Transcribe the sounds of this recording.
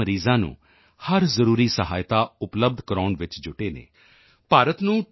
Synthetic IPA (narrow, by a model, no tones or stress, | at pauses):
əɾiːzãːnṵ̃ː | həɾzəɾuːɾiːsəɦaːɪt̪aːʊpləb̚d̪ʱkəɾɔːɳʋɪt͡ʃd͡ʒʊʈeːnḛː | paːɾət̪nũː